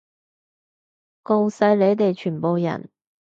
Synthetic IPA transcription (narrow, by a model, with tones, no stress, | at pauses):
ko˧wsɐ˨˧˥jle˨˧jt̪e˨jt͡ʃʰyː˨˩po˨wjɐ̰˨˩n